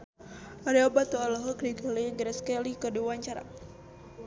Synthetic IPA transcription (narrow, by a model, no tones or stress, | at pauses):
aɾiobat̪ualɔɦɔkɾiɡaliŋɡɾɛskelikəduwaɲt͡ʃaɾa̰